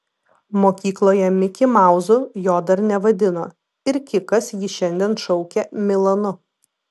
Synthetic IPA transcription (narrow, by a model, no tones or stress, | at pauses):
moːkʲiːklˠoːjɛmʲɪkʲɪmɑˑʊzʊjoːd̪ɐɾnʲɛʋɐd̪ʲɪnoː | ɪɾkʲɪkɐsjɪʃʲɛnʲd̪ʲiɛnʃɒʊkʲɛmʲɪlˠɐnʊ